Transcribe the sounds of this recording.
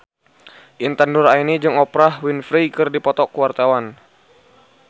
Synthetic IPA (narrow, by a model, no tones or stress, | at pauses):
ʔint̪anduɾainid͡ʒɨŋɔpɾahwinfɾikɨrdipɔt̪ɔkuwart̪awan